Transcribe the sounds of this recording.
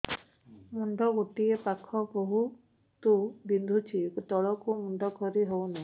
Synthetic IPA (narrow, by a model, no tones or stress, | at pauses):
muɳɖɔɡoʈiepakʰɔboɦu | t̪ubind̪ʱut͡ʃʰikut̪ɔɭɔkumuɳɖɔkʰɔɾiɦowna